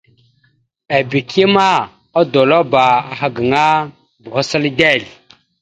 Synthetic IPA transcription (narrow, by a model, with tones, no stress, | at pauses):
a˨bi˨kʰi˦ma˦ | a˦do˨lo˦ba˨a˨ɦa˦ɡə˨ŋa˦ | bu˨ha˦sə˦lde˦˨l